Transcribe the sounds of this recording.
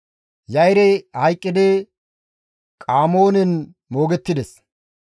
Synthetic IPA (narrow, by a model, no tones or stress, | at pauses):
jɐjɾɛhɐjkʼːɪd̪ɛ | kʼaːmo̞ːnɛn | mo̞ːɡɛt̪ːɪd̪ɛs